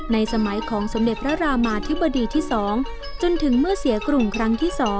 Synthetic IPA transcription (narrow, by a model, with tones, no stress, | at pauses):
na˧jsa˧ma˩˦jkʰɔː˩˦ŋso˩˦mde˨˩t̪̚pʰɾa˦˥ɾaː˧maː˧t̪ʰi˦˥ba˧diː˧t̪ʰiː˥˩sɔː˩˦ŋ | t͡ɕo˧nt̪ʰɯ˩˦ŋmɯ˥˩ɐsi˩˦ɐkɾu˨˩mkʰɾa˦˥ŋt̪ʰiː˥˩sɔː˩˦ŋ